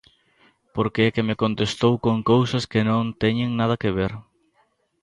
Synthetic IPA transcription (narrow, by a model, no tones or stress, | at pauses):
poɾkeɛkemɪkont̪est̪owkõŋkowsɐskɪnõnt̪ɛɲeŋnað̞ɐkeβ̞eɾ